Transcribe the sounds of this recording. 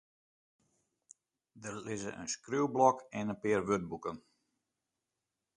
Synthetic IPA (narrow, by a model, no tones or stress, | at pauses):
dərlɪzə̰ʔə̰nskrywblɔkɛnənpɪːərʋøt̚bukən